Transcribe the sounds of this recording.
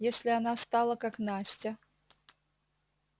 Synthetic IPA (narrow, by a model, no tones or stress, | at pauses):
jesʲlʲɪanast̪alˠəkaknasʲtʲɐ